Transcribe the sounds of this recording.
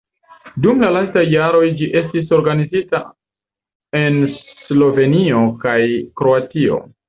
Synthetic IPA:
dumlalastajːaɾo̞jd͡ʒiʔe̞stis̬o̞ɾɡanizita | e̞nslo̞ve̞nio̞kajkɾo̞atio̞̰

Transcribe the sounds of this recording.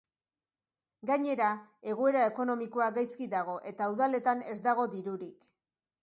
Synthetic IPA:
ɡaɲe̞ɾae̞ɣ̞oe̞ɾae̞ko̞no̞miko̞aɡajskiðaɣ̞o̞ʔe̞t̪auðale̞t̪ane̞zd̪aɣ̞o̞d̪iɾuɾik

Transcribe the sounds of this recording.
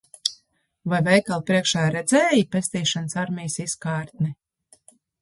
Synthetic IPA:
vajvɛjkalˠpɾiɛkʃaːɾɛd̪zɛːjipʲest̪iːʃansaɾmʲijsiskaːɾt̪̚ni

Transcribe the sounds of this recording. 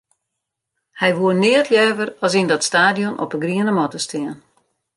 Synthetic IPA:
hɛjʋuənɪətjœːvərɑsindɔtstaːdjɔnʔɔ̰pəɡriənəmɔtəstʰɪən

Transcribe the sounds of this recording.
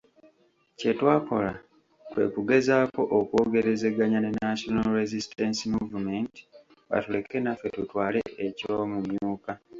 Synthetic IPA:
ce̞twaːko̞la | kwe̞̰ːkuɡe̞zaːko̞ʔokwo̞ːɡe̞ɾe̞ze̞ɡaɲanenaʃonalɾezistensimuvumenti̥ | βa̰tule̞kːe̞nafe̞tutwaːle̞ʔeco̞mumjuːka

